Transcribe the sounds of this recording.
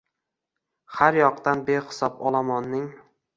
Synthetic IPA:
haɾjɒqt̪anbeχɪ̥sɒpɒlˠamɒnːɪŋ

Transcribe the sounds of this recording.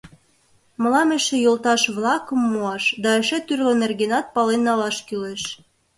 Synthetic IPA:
mə̆lɑmĕʃĕjolt̪ɑʃβlɑkə̆mːuɑʃd̪ɑeʃĕt̪yrlonerɣenɑt̪̚pɑlenːɑlɑʃkyleʃ

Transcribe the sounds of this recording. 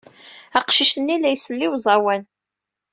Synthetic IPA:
æqʃiʃənːilæjsəlːiwzˤɑwæn

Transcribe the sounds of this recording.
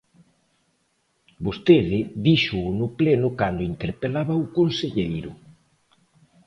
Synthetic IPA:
bost̪eðɪðiʃʊːnʊplenʊkand̪ʊint̪eɾpelaβɐʊkonseʎejɾʊ

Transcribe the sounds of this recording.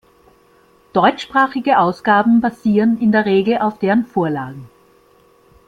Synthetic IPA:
d̥ɔʏt͡ʃʃpʁ̥aːχɪɡəʔaʊsɡ̥aːbm̩baz̥iːʁənɪndeːɐʁeːɡl̩ʔaʊfd̥eːʁənfoːɐlaːɡŋ̩

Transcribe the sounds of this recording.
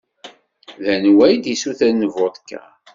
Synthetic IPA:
ðænwæjd̪isuθænːəvot̪ˤkːæ̰

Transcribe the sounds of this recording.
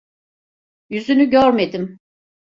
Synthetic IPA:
jyzynyɟøɾmed̪im

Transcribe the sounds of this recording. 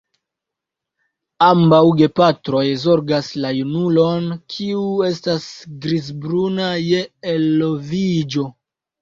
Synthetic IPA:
ambawɡe̞patɾo̞jzo̞ɾɡaslajunulo̞nkʰiue̞stasɡɾizbɾunaje̞ːlːovid͡ʒo̞

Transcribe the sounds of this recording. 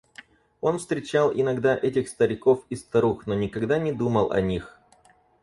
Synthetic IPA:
o̞nfst̪ɾʲɪt͡ɕalˠʔɪnɐɡd̪aʔɛtʲɪxst̪əɾʲɪko̞fɪst̪ɐɾuxnonʲɪkɐɡd̪anʲɪd̪uməlˠɐ̰nʲix

